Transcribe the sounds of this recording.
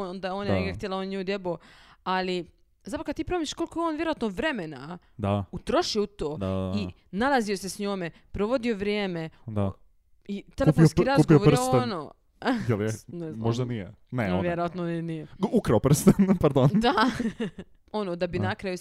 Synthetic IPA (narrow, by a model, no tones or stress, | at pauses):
nod̪aeonaneɡeaxt̪jelaonɲud̪jeboali | zat̪pɾokad̪̚t̪iːpɾomiʃkolkojeoːnʋjeɾoat̪noʋɾe̞mena | d̪aut̪ɾoʃiout̪oːd̪ai | nalˠaziosesɲoːmepɾoʋo̞d̪io̞ʋɾjeːmed̪a | it̪elefusiɾazuɡpooʋostoɛnoː | jelˠnezmoʒd̪anijḛ | neonʋjeɾojat̪nonenijeukɾaopr̩st̪enpaɾd̪ond̪a | onod̪abinakɾaju